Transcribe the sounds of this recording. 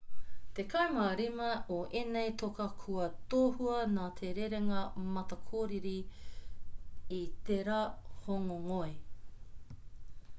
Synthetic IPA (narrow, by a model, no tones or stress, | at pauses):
t̪ekʰɐjmaːɾimɐoʔenejtokɐkʰuɐtoːhuɐnaːt̪ʰeɾeɾeŋɐmɐtɐkʰoːɾiɾi | it̪eɾahoŋoŋoe